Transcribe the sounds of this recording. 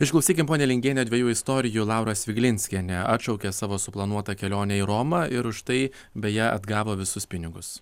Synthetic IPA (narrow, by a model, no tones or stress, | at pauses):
ɪʃklˠʊsʲiːkʲɪmpoːnʲɛlʲɪŋʲɡʲeːnʲɛːd̪ʲʋʲɛjuːɪst̪oːɾʲɪjulˠɑʊɾɐsʋʲɪɡʲlʲɪnʲsʲkʲiɛnʲɛʔɑ̰ːt̪ʃɒʊkʲeːsɑːʋoːsʊplˠɐnuɔt̪ɐkʲɛlʲoːnʲɛiɾoːmɑʔɪɾʊʃt̪ɐɪ | bʲɛjɛʔɐ̰d̪ɡɑːʋoːʋʲɪsʊspʲɪnʲɪɡʊs